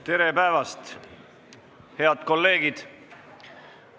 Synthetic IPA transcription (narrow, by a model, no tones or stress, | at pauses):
t̪e̞ɾe̞pæevɑst̪ | he̞ɑd̪̥ko̞lːe̞ːɡid̪̥